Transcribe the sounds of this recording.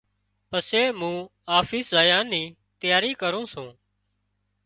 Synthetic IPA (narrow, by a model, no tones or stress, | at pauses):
pəseːmũːaːfiːszaːjãːnĩː | t̪ɪjaːɾiːkəɾõːsũː